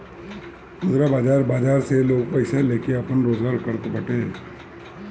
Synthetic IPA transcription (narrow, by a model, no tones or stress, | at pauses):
ʊzɾabaːd͡ʒaːɾbaːd͡ʒaːɾseloːɡpɐɪseleːkeɐpənɾoːzɡaːɾkɐɾt̪obɐʈe